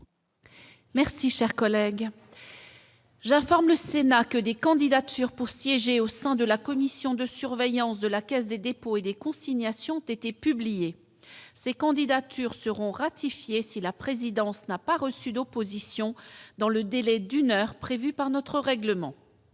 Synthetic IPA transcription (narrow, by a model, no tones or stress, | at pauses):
mɛʁsiʃɛʁkɔlɛɡ | ʒɛ̃fɔʁmləsenakəd̪ekɑ̃d̪id̪at̪ʰyʁpuʁsjɛʒeosɛ̃d̪əlakɔmisjɔ̃d̪əsyʁvejɑ̃sd̪əlakʲɛsd̪ed̪epoed̪ekɔ̃siɲjasjɔ̃ɔ̃t̪et̪epyblije | sekɑ̃d̪id̪at̪ʰyʁsəʁɔ̃ʁat̪ifjesilapχezid̪ɑ̃snapaʁəsyd̪opozisjɔ̃d̪ɑ̃ləd̪elɛd̪ynœʁpχevypaʁnɔt̪χəʁɛɡləmɑ̰̃